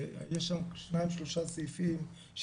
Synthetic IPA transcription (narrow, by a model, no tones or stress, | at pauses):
jeʃamʃnaimʃloʃasijfim | ʃ